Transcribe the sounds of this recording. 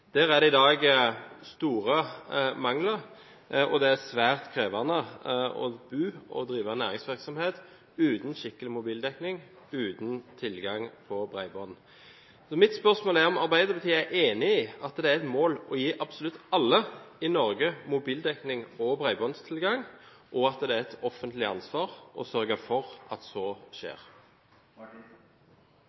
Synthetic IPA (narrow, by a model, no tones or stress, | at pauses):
d̪̥æːɾæd̪ɛɪd̪ɑːɡst̪uːʁəmɑŋləɾ | ɔd̪ɛæsʋæːʁt̪kʰʁeːʋɑnːəɔ̰bʉːɔ̰d̪ɾiːʋənæ̰ːʁɪŋsʋɪʁksɔmheːt̪ | ʉːt̪n̩ʃɪkːəlɪmʊbiːld̪ɛknɪŋ | ʉːt̪n̩t̪ʰɪlɡɑŋpʰɔbʁæ̰ɪbɔn | sɔmɪt̪spœʁsmoːlæʁɔmɑʁbæɪd̪əbət̪ʰiːæʔeːnɪɪɑt̪d̪ɛæɾɛt̪moːlɔjiːʔɑbsʊlʉt̪ːɑlːəɪnɔɾɡəmʊbiːld̪ɛknɪŋɔbʁæɪbɔnst̪ʰɪlɡɑŋ | ʔɔɑt̪d̪ɛæɛt̪ʰɔfənt̪lɪɑ̰nsʋɑːʁʔɔ̰sœɾɡəfɔʁʔɑt̪sɔːʃḛːʁ